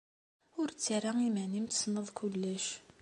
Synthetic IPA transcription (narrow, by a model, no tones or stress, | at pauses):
ʊɾt͡sːiɾaimænimt̪snəðˤkʊlːæʃ